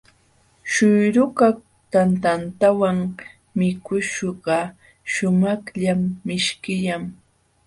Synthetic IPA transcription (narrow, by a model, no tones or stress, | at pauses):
ʃʊjɾʊkak | t̪ant̪ant̪awaŋ | mɪkʊʃɢɑ | ʃʊmɑχʎamːɪʃkɪjam